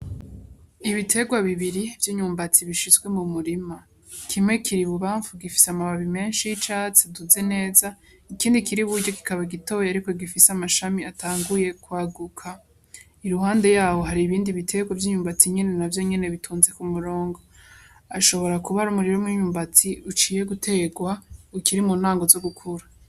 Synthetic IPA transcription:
iβitʰe̞ɡwaβiβiɾivjiːɲuːmbat͡siβiʃizɡwe̞mumuɾima | kʰimŋe̞kʰiɾiβuβaːɱfuɡifi̥samaβaβime̞ːnʃijit͡ʃaːt͡seduzene̞ːza | ikiːndikiɾiβuɾɟo̞ki̥kaβaɡito̞weaɾikoɡifisamaʃamiatʰaːŋɡuje̞kwaːɡukʰa | iɾuhaːnde̞jaːho̞ɦaɾiːβiːndiβitʰe̞ɡwavjiːɲuːmbat͡siɲe̞ne̞navjo̞ɲe̞ne̞βitʰuːnze̞kumuɾo̞ːŋɡo̞ | aʃo̞βo̞ɾakuβaɾumuɾiɾomŋiːɲuːmbat͡siut͡ʃiːje̞ɡutʰe̞ɡwaukiɾimuːn̥aːŋɡo̞zo̞ɡukʰuɾa

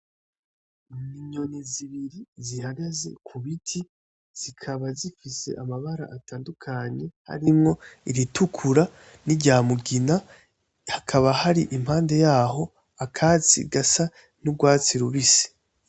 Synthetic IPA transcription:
niɲo̞niziβiɾizihaɡaze̞̰kʰuβitʰi | z̥ikʰaβazifise̞̰ʔamaβaɾa̰ʔataːndukʰaɲe̞ha̰ɾimŋo̞iɾitʰukʰuɾa | niɟaːmuɡina | hakʰaβahaɾiʔim̥haːnde̞jaːɦo̞ | akʰaːt͡sḭɡasa | nuɡwaːt͡siɾuβisi̥

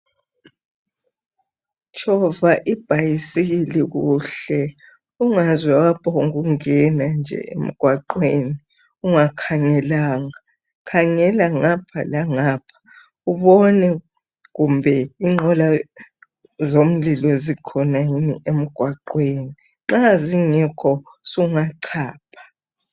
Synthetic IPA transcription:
t͡ʃʼɔvaʔib̥ʱajisiɣiliɣuɬɛ | uŋazwɛwapʰʼauɣuŋɛnand͡ʒʱɛ̰ʔḛm̩ɡ̥ʱwaǃweːni | uŋakʰaŋɛlaːŋa | kʰaŋɛlaŋapʰa̰laŋapʰḁ | uβɔnɛ | ɣumbʱɛiŋ͡ǁʱɔla | zom̩lilɔzikʰɔnajinḭʔem̩ɡ̥ʱwaǃweni | ŋ͡ǁaziŋɛkʰɔsuŋaǀʰaːpʰḁ

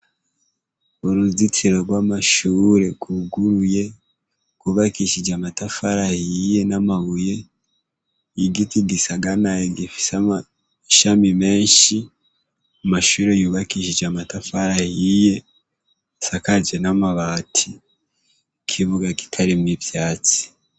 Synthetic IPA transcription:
uɾuzit͡siɾoɾɡwamaʃuːɾe̞kuɡuɾuje̞ | kwuβakiʃid͡ʒamatafaɾahije̞namaβuje̞ | iɡitiɡisaɡanajeɡifi̥sama | ʃamime̞ːnʃi | amaʃuːɾe̞juːβakiʃid͡ʒamatafaɾahije̞ | sakad͡ʒenamaβaːtʰi | kʰiβuɡaki̥tʰaɾimwivjaːt͡si̥

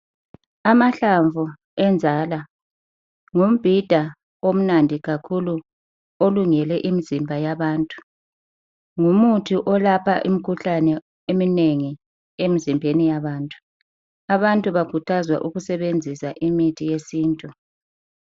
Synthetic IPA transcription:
amaɬaɱvʱu | ɛnd͡zʱala | ŋum̩b̥ʱid̥ʱa | om̩nandʱiɣakʰulu | oluŋɛlɛʔimizimbʱajaβaːntʼu̥ | ŋumutʰiʔɔlapʰaʔimikʰuɬanɛ | emineŋi | emizimbʱenijaβaːntʼu̥ | aβantʼuβakutʰazwa̰ʔuɣusɛβend͡zʱisaʔimitʰijesiːntʼu

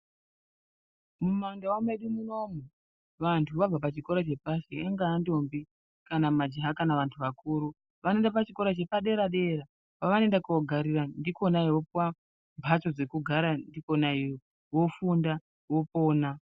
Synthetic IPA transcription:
mumandawameɗimuno̞mu | ʋantʰuʋab͡vapat͡ʃiko̞ɾat͡ʃe̞pasieŋɡaːndombi | kanamad͡ʒiɦakanaʋantʰuʋakuːɾu | ʋanoe̞ndapat͡ʃiko̞ɾat͡ʃe̞paɗe̞ɾaɗe̞ɾa | paʋane̞ndakuoɡʱaɾirandiko̞naiwo̞pwa | mpʰat͡ʃo̞d͡ze̞kuɡʱaɾandiko̞nai | wo̞funda | wo̞po̞ːna

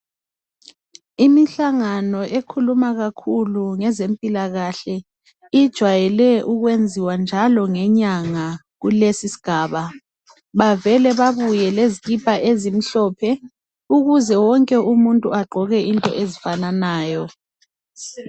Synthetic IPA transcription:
imiɬaŋanɔʔekʰulumaɣakʰuluŋɛzempʼilaɣaɬɛ | id̥ʒ̥ʱwajɛlɛʔuɣwend͡zʱiwand͡ʒʱalɔŋɛɲaŋa | ɣulesisi̥ɡ̥ʱaːβa | βavɛlɛβaβujɛleziɣipʰaʔezim̩ɬɔːpʰɛ | uɣuzɛwɔŋkʼɛumuntʼuaɡ͡ǃʱɔɣɛʔintʼɔ̰ʔezifananaːjɔ

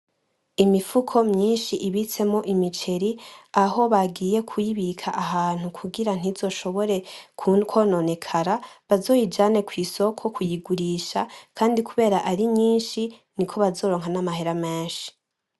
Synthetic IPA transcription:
imifukʰo̞mɲiːnʃiʔiβit͡se̞mŋo̞ʔimit͡ʃe̞ɾiaɦo̞βaɡiːje̞kʰujiβikʰaʔaɦaːn̥hukʰuɡiɾan̥izo̞ʃo̞βo̞ɾe̞kkʰo̞ːno̞ne̞kʰaɾaβazo̞ːjid͡ʒaːne̞kʰwiːso̞kʰo̞kujiɡuɾiːʃakʰaːndikuβe̞ːɾaʔaɾimɲiːnʃinikʰo̞βazo̞ːɾo̞ːŋɦanamahe̞ɾame̞ːnʃi̥

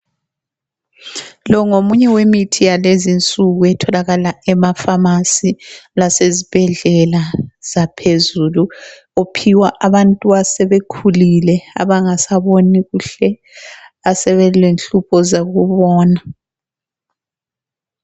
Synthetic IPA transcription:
lɔŋomuɲɛwemitʰijalezint͡sʼuɣuɛtʰɔlaɣalaɛmafamasilasezib̥ʱɛɮɛlaz̥apʰezulu | opʰiwaʔaβantʼuasɛβekʰulilɛa̰βaŋasaβoniɣuɬɛ | asɛβɛlenɬupʰɔzaɣuβɔːna

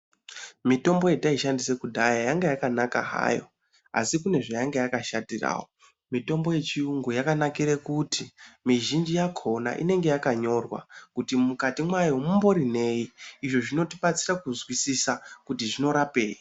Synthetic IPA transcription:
mito̞mbo̞jetaiʃandisekudʱajajaŋɡejakanaka̰ɦa̰ːjo̞̰ | a̰sikune̞ʐajaŋɡejakaʃadira̰ːwo | mito̞mbo̞je̞t͡ʃiuŋɡujakanakiɾekutimiʒind͡ʒijakʰo̞na̰ʔḭne̞ŋɡe̞jakaɲo̞rwa̰kutimukatimwaiwomumbo̞ɾine̞jiːʐo̞ʐino̞tiɓat͡sirakuzwisisakutiʐino̞ɾapeːi

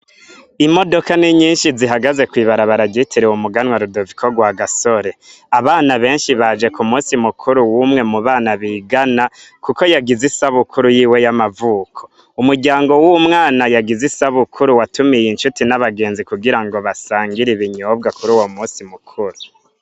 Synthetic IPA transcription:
imo̞do̞kaniɲiːnʃiziɦaɡaze̞kwiːβaɾaβaɾaɟitʰiɾewumuɡanwaɾudovikʰoɡwaɡaso̞ɾe̞ | aβaːnaβe̞ːnʃiβad͡ʒe̞kumuːsimukʰuɾuwumŋe̞muβaːnaβiːɡanakuko̞jaɡizisaβukʰuɾujiːwe̞jamavuːkʰo̥ | umuɾɟaːŋɡo̞wumŋaːnajaɡizisaβukʰuɾuwatumijinʃutinaβaɡe̞ːnzikuɡiɾaŋɡo̞βasaːŋɡiɾiβiɲoːbɡakuɾuːwomuːsimukʰuɾu

